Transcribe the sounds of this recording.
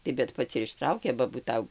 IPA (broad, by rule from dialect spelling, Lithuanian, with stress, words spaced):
tɐɪ bʲɛt ˈpɐts ɪr ɪʃˈtrɐʊkʲeː bɐ buːˈtɐʊ